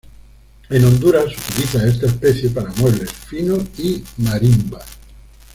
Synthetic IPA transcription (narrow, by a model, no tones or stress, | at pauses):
enõnd̪uɾasut̪iliθaest̪aespeθjepaɾamweβlesfinoimaɾimba